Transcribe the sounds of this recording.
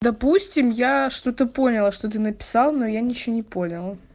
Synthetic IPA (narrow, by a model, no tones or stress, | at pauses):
d̪ɐpusʲtʲɪmjaʂt̪o̞t̪əpo̞nʲɪlˠəʂt̪ot̪ɨnəpʲɪ̥sɑlˠnojanʲɪt͡ɕɪonʲɪpo̞nʲɪlˠə